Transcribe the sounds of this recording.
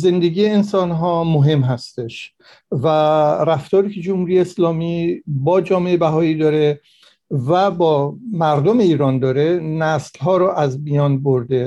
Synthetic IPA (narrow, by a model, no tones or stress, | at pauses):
ze̞nd̪eɡiːjeːnsɒːnɦɒːmoɦe̞mɦæst̪e̞ʃ | væɾæft̪ɒːɾiːcʰed͡ʒomhuːɾijeːslɒːmiːbɒːd͡ʒɒːme̞ebæɦɒːiːd̪ɒːɾe | væbɒːmæɾd̪ome̞iːɾɒːnd̪ɒːɾenæslɦɒːɾɔʔæzmijɒːnboɾd̪e̞